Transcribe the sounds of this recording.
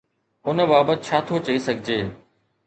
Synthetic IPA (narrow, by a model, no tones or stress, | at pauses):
ʊnəbaːbət̪̚t͡ɕʰaːt̪ʰot͡ɕɐisɐɡʱɪd͡ʑeː